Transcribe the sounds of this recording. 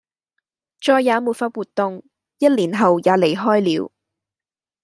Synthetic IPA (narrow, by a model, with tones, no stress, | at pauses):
t͡ʃɔː˧jːaː˨˧˥muː˨˧t̚fɐ˧t̚wuː˨˩tt̪ːʊ˨ŋ | jɐ˥t̚liː˨˩nɦɐ˨wjaː˨˧˥le˨˩jɦɔː˥jliː˨˧w